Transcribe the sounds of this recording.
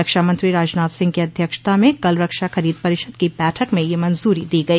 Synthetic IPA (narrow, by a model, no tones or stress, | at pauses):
əkʃamɐ̃nt̪ɾiɾaːd͡ʒnaːt̪sɪ̃ŋɡkiɐd̪ʱjəkʃt̪amẽkɐlɾɐkʃaxɐɾiːd̪pɐɾɪʃəd̪kibɛːʈʰəkmẽjemɐ̃nzuːɾid̪iːɡɐiː